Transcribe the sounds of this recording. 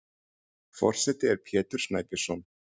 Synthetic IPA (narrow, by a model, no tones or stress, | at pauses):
fɔ̰r̥sɛt̪ɪɛɾ̥pʰjɛːt̪ʏɾ̥snajpɪ̥sɔn